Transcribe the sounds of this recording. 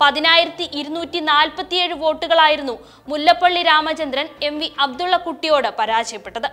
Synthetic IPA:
pɐðinaːjiɾɐt̪ːiʔiɾunuːtːinaːlpɐt̪ːijeːɻɨʋo̞ːʈːuɣɐɭaːjiɾunːu | mulːɐpːɐɭːiɾaːmɐt͡ɕɐnd̪ɾɐne̞mʋiɐbd̪uɭːɐkuʈːijo̞ːɽɨpɐɾaːɕɐjɐpːe̞ʈːɐðɨ

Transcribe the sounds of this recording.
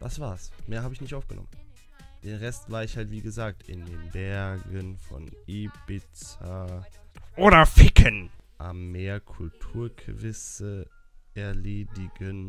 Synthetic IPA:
d̥asv̥aːɐsmeːɐhaːbəɪçnɪçtʔaʊfɡ̥ənɔ̰mən | d̥eːnʁɛstv̥aːɐɪçhaltv̥iːɡəzaːk̚tɪ̰ndeːnbɛɐɡənfɔ̰nʔeb̥ɪt͡sa | ʔoːɾɐfɪkʰənʔa̰mːeːɐkʰʊltʰuːɐkʰvɪsə | ʔɛɐleːdɪɡən

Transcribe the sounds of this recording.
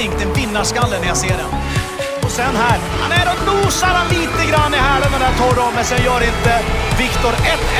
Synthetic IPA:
ɪŋkt̪ɛnpɪnːaʂkalːənæɾjaseːɖɛ̰n | ɔsɛnɦæːɾ | ha̰næɖɔnuːsaɾhanliːt̪əɡɾanːɪɦæːɭɛd̪ɛnd̪æːt̪ʰɔɾɔmːɛsɔajœːɾɪnt̪əvɪkt̪ʊɾɛt̪

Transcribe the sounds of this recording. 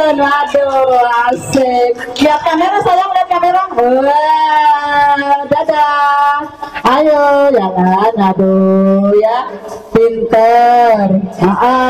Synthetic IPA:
nadoasɪkkiap̚kameɾasajaŋdap̚kameɾaŋə | dada | ajojalanadojapint̪ərəʔə

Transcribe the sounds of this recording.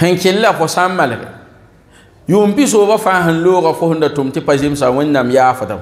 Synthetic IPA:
hɪŋkʲɪlːafʊsammalɪɡɛ̰ | joːmpis̬oːbafaɦɪnloːɣafʊhʊndatʊmtɪpazems̬aŋʊnːamjaːfʊda̰

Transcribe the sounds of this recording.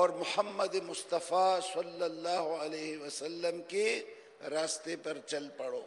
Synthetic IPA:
ɔːɾmʊhəmːəd̪emʊst̪ɐfasɐlːɐlːaːɦoɐleːɦeʋɐsɐlːəmke | ɾaːst̪epɐɾt͡ʃɐlpɐɽoː

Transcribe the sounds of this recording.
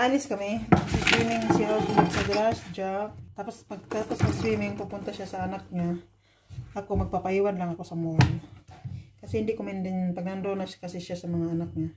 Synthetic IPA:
ʔalɪskɐmɛpɐɡsɪswiːmɪŋsɪʔawkɪnsɐɡ̪ɾasd͡ʒap̚t̪apospɐɡ̚t̪apospɐɡswiːmɪŋpupʊnt̪aʃasɐɐnak̚ɲa | ʔɐkomɐɡ̚papɐʔiːwanlaŋɐko̞sɐmojo | kɐsɛhɪnd̪ikʊmɪnd̪ɪnpɐɡ̚nɐnd̪onaʃkɐsɛʃasɐmɐŋaʔɐnak̚ɲa

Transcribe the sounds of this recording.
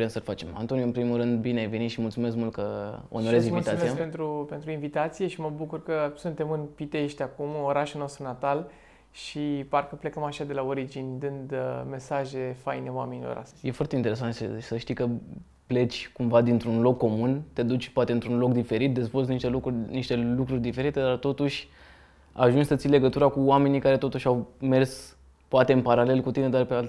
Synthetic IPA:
ɾemsəlfat͡ʃe̞ma̰nt̪o̞njɨnpɾimulɾɨnd̪̚bineajve̞nit̪ʃimult̪sume̞s̬kmult̪kəo̰noɾezĩmuvit̪t̪at̪seiape̞nt̪ɾupe̞nt̪ɾuinvit̪at̪sije̞ʃiməbukurkəsunt̪e̞mɨnpit̪eʃt̪ʲakumo̞ɾaʃulnost̪ɾunat̪al | ʃiparkəple̞kəmaʃad̪e̞lao̞ɾid͡ʒinʲd̪ɨnd̪me̞saʒe̞fajneowamenilo̰ɾʔa̰st̪je̞foart̪eint̪eɾesant̪ʃsəʃt̪ijkə | ple̞t͡ʃʲkumvad̪int̪ɾunlo̞kːo̞munt̪e̞d̪ut͡ʃʲpoat̪eɨnt̪ɾunlo̞kd̪ife̞ɾit̪̚d̪ezvolzniʃt̪elukuniʃt̪e̞lukɾurʲd̪ife̞ɾit̪e̞d̪art̪o̞t̪uʃʲ | aʒunt͡ʃsət̪sile̞ɡət̪uɾakuwame̞nikaɾe̞t̪o̞t̪uʃʲawme̞rs | poat̪e̞ɨnpaɾale̞lkut̪ine̞d̪arpeal

